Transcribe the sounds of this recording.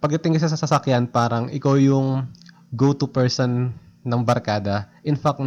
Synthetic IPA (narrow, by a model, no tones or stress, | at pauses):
pɐɡ̚d̪ɐt̪ɪŋkɐs̬ɐs̬ɐsɐsɐkjanpaːɾɐŋɪkawjʊŋ | ɡowt̪upɛɹsɔnː | ɐŋbɐɾkaːd̪ɐʔɪnfak̪̚